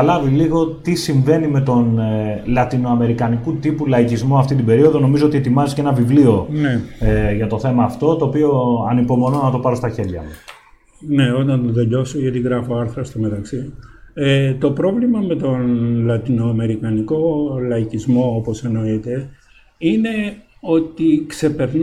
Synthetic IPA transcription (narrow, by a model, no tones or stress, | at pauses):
ɐlɐviliɣo̞t̪isiɱve̞nime̞t̪o̞nlɐt̪ino̞ɐme̞ɾikɐnikut̪ipulɐicizmo̞ɐft̪it̪ibe̞ɾio̞ðo̞no̞mizoot̪ie̞t̪imɐzescenɐvivlio̞neʝɐt̪o̞θe̞mɐːft̪o̞t̪o̞ːpio̞ɐnipo̞mo̞nonɐt̪o̞pɐɾo̞st̪ɐçe̞ɾʝɐ̰mus | neo̞t̪ɐnt̪oðeʎo̞soʝɐt̪iɣɾɐfo̞ɐɾθɾɐst̪ome̞t̪ɐksiet̪o̞pɾo̞vlimɐme̞t̪o̞nlɐt̪inoɐme̞ɾikɐniko̞lɐicizmo̞opo̞se̞no̞it̪e̞ | ine̞ | o̞t̪ikse̞pe̞ɾn